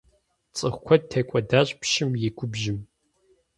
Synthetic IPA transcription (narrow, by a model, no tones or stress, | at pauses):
t͡sʼɨχʷkʷʰɔd̚tʰeːkʷʼɔdaːɕʼpʃɪmjɪɡʷʊbʒɪm